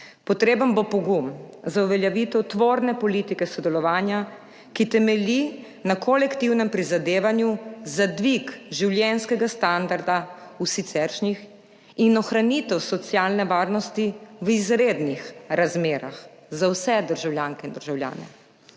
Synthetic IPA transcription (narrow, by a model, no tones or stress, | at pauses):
pɔt̪ɾeːbənbopɔɡum | zauʋɛljaʋit̪ɛwt̪ʋoːɾnɛpɔlit̪ikɛsɔd̪ɛlɔʋaːnja | kit̪ɛmɛli | nakʰɔlɛkt̪iwnɛmpɾizad̪eːʋanjuzad̪ʋikʒiwljɛnskɛɡast̪and̪aɾd̪a | usit̪sɛɾʃnix | inɔxɾanit̪ɛwsɔt̪sjalnɛʋaːɾnɔst̪iʋizɾed̪nixɾazmeːɾa̰x | zawsɛd̪əɾʒawljaːŋkɛind̪əɾʒawlja̰ːnɛ̰